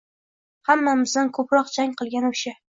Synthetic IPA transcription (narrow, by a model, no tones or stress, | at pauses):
hamːamɪzd̪ankʰɵpɾɒqd͡ʒaŋʲqɨlˠɡʲanʊʃɪ